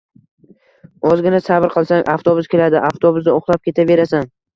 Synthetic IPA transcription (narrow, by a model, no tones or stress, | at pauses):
ɒzɡʲɪnasabɾqʰɨlˠsaŋʔaft̪obʊskʲe̞lad̪ɪʔaft̪ʰobʊzd̪aoχlˠap̚kʲʰe̞t̪ʰave̞ɾasan